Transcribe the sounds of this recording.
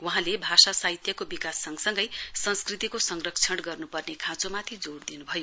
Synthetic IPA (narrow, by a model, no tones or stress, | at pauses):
wuɦãlebʱasasaɦit̪jʌkobikasːʌŋsʌŋɡʌjsʌ̃nskrit̪ikosʌŋrʌk̚t͡sʰʌɽɡʌrnupʌrnekʰãt͡somat̪ʰid͡zoɽd̪inubʱʌjo